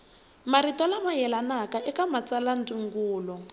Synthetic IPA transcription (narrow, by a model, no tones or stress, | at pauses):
maɾitɔlamajɛlanakaʔɛkamat͡salantuŋɡuːlɔ